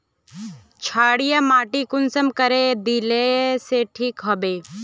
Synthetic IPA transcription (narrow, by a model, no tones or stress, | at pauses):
t͡ʃʰaːɽijamaːʈikʊnsəmkəɾed̪ileseʈʰiːkɦɐbeː